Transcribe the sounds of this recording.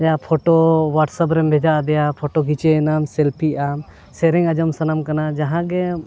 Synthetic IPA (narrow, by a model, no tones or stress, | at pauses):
japʰɔʈowaʈsap̬ɾɛmbʱɛd͡ʒaʔd̪ɛjapʰoʈoɡit͡ʃɛːnamsɛlpʰiam | sɛɾɛŋad͡ʒɔmsanamkanad͡ʒaɦãɡɛ